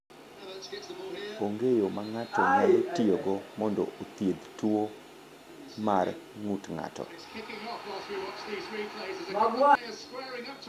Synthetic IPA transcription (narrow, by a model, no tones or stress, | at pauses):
oŋɡejomaŋatɔmaltioɡɔmɔndɔ̰ʔot̪jed̪tuo | marŋutŋa̰tɔ̰ | maɡwa